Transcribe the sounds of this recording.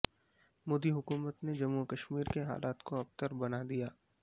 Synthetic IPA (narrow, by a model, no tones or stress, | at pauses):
moːd̪iɦʊkuːmət̪ned͡ʒɐmukɐʃmiːɾkeɦa̰ːlaːt̪koɐbt̪əɾbɐnad̪ijaː